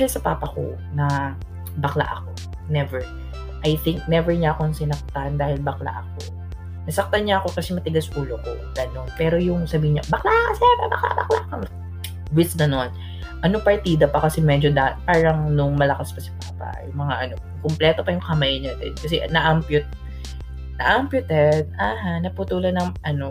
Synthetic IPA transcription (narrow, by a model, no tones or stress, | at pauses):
ʃɛsɐpaːpɐko̰ | nɐ | bɐkla̰ʔɐko̞ | nɛvɛɹ | ʔɐjθɪŋk̚nɛvɛɹɲaʔːkoŋsɪnɐk̚t̪and̪aːhɪlbɐkla̰ʔɐk̚o̞̰ | nɐsɐk̚t̪ɐnɲaɐko̞kɐsɛmɐt̪ɪɡasʔuːloko̞̰ɡɐno̞npɛːɾo̞jʊŋsɐbiːhɪɲabɐklaksɛpɐbɐkla̰ʔbɐ̰kla̰ʔko | wɪsd̪ɐnon | ʔɐnopɐɹt̪iːd̪ɐpɐkɐsɛmɛd͡ʒod̪apaːɾɐŋnʊŋmɐlɐkaspɐsɪ̥paːpɐ̰jʊŋmɐŋaʔɐno̞ | kʊmplɛːt̪o̞pɐjʊŋkɐmajɲat̪ɛ̰d̪kɐsɛʔnɐʔampjʊt̪̚ | nɐʔampjʊt̪ɛd̪̚aːɦanɐput̪uːlɐd̪nɐŋʔɐno̞